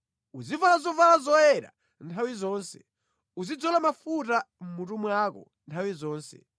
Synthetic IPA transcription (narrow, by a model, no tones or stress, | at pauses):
uzivalazɔvalazɔɛɾa̰ | ntʰawizɔːnsɛ̥ | uzid͡zɔlamafutam̩mutumwakɔ̰ | ntʰawizɔːnsɛ̰